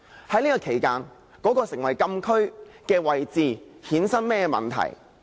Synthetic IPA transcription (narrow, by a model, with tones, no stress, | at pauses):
hɐ˨˥jniː˥kɔ˧kʰe˨˩jkaː˧n | kɔː˨˥kɔː˧sɪ˨˩ŋwɐ˨jkɐ˧mkʰɵ˥ɥkɛː˧wɐ˨jt͡siː˨˧hiː˨˥nsɐ˥nmɛː˥˧mɐ̰˨nt̪ʰɐ̰˨˩j